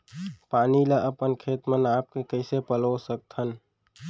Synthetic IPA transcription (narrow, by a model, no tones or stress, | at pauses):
paːnilaʔəpənkʰeːt̪mənaːp̚kekəɪsepəlosək̚t̪ʰən